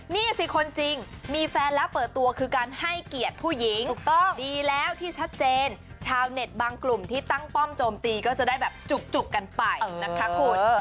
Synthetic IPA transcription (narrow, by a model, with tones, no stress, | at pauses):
niː˥˩si˨˩kʰo˧nt͡ɕi˧ŋmiː˧fɛː˧nlɛː˦˥wpɤː˨˩t̪ːu˧ɐkʰɯː˧kaː˧nha˥˩jki˨˩ət̪̚pʰuː˥˩ji˨˩˦ŋu˨˩k̚t̪ɔ˥˩ŋdiː˧lɛː˦˥wt̪ʰiː˥˩t͡ɕʰa˦˥t̪̚t͡ɕeː˧n | t͡ɕʰaː˧wne˨˩t̪̚baː˧ŋklu˨˩mt̪ʰiː˥˩t̪a˥˩ŋpɔ˥˩mt͡ɕoː˧mt̪iː˧kɔː˥˩t͡ɕa˨˩da˥˩jbɛː˨˩p̚t͡ɕu˨˩k̚t͡ɕu˨˩kːa˧npa˧jna˦˥kʰa˦˥kʰuː˧˩t̪̚